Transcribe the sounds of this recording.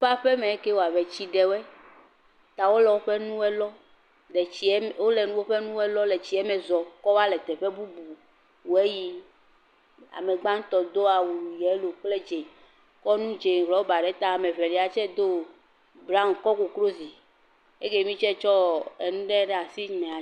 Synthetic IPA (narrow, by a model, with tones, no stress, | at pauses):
ɸa˦ɸe˦mɛ̃˨e˦ke˦wo˨a˨vɛ˨t͡ɕi˦ɖɛ˨wɛ˦ | t̪a˨wo˦lɛ˨wo˦ɸe˦nũ˦wɛ˦lɔ˦ | ɖɛ˨i˨ɛ˦wo˦le˨nũ˦wo˦ɸe˦nũ˦ɛ˦lɔ˦le˨t͡ɕi˨˦ɛ˦mɛ˨zɔ˨kɔ˦wa˦lɛ˨t̪ɛ˨ɸe˦bu˦bu˨ | wu˨e˦ji˦ | a̰˨me˨ɡ͡bã˦ŋ̩˦t̪ɔ˨d̪o˦a˨wu˨jɛ˨˦lo˨k͡ple˦d͡ʒe˨ | kɔ˦nũ˦d͡ʒe˨ɦɔ˨˦o˦ba˨ɖɛ˦t̪a˦˨mẽ˨vɛ˨li˨a˨t͡ʃɛ˦d̪o˦ | bɾa˦m˨kɔ˦ko˨kɾo˦zi˨ | e˦ke˦mĩ˦t͡ʃɛ˦t͡ʃɔ˦e˨nũ˦ɖɛ˦ɖɛ˦˨a˨si˦ɲi˨mɛ̃˨a˨